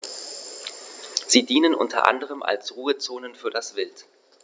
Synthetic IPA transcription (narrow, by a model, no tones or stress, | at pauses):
z̥iːdiːnənʔʊ̰ntʰɐ̰ʔa̰ndəʁ̞əmʔa̰lsʁuːət͡soːnənfyːɐdasv̥ɪlt